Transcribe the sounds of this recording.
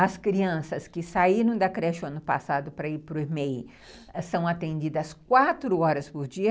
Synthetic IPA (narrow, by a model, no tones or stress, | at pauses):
ɐskɾiɐ̃sɐskɪsaiɾɐ̃w̃d̪ɐkɾɛʃʊɐ̃nʊpa̰sad̪ʊpɾɐiɾpɾʊemej | sɐ̃w̃at̪ẽnd͡ʒid̪ɐskwat̪ɾʊɔɾɐspʊɾd͡ʒiɐ